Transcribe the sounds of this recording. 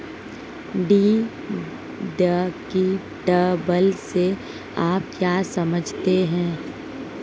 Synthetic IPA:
ɖiː | ɖəki | ʈəbəlse | aːp̚kjaːsɐməd͡ʒʱt̪eɦɛ̃ː

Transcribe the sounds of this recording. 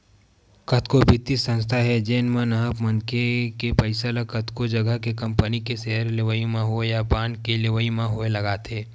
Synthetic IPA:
kɐt̪kobʱɪt̪isə̃nst̪ʰaɦɛd͡ʒeːnmə̃nɐɦəpmənkekepəɪsələkət̪kod͡ʒɐɡəɦkekɐ̃mpənikeseɦəɾlɪʋəimãɦuejapaːnkelɪʋəimãɦʊelɐɡaːt̪ʰeː

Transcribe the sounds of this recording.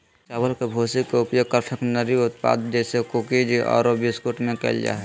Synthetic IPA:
t͡ʃaːbəlkebʱoːsikːeʊpjoɡ̚kəɾʈʰəknəɾiʊt̪pa̰d̪d͡ʒesekokid͡ʒiʔɔ̰ːɾobiskuʈmẽkɛ̰ld͡ʒa̰ːɦ

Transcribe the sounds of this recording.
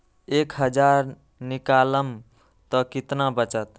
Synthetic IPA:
ekɦəd͡ʒaɾ | nikaləm | t̪ɔkit̪nabət͡ʃət̪̚

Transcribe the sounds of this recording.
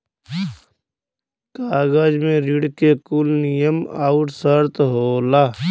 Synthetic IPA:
kaːɡaːd͡ʒmẽɾiɽkekulnijəmaːʊʈsəɾt̪ɦoːlaː

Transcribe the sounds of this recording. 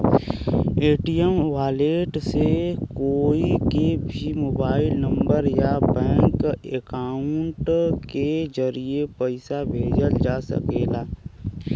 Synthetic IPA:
eːʈijəmʋaːleːʈsekoːikebʱimoːbaːɪlnə̃mbəɾjabɛ̃ːŋkekaːʊɳʈkezəɾiepəɪsabʱeːd͡ʒəld͡ʒaːsə̰keːlaː

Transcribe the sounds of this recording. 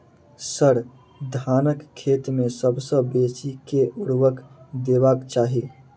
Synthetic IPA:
səɾ | d̪ʱaːnəkʰːeːt̪mẽsəbsə̃besikeʔuɾʋəkd̪eːbakt͡ʃaːɦi

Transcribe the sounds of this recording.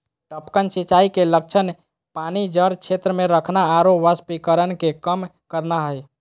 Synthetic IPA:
ʈəpkənsit͡ʃaikelək̚t͡ʃʰən | panid͡ʒəɾt͡ʃʰet̪ɾəmeɾəkʰnaːɾopʋəspikəɾənkekəmkəɾnaɦəj

